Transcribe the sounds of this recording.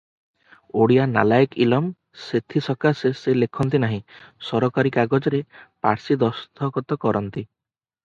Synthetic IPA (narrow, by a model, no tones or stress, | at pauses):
oɽijana̰lajkḭlɔm | set̪ʰisɔkaseselekʰɔnt̪inaɦĩsɔɾɔkaɾikaɡɔd͡ʒɔɾepa̰ɾsid̪ɔst̪ʰɔkɔt̪ɔkɔɾɔnt̪i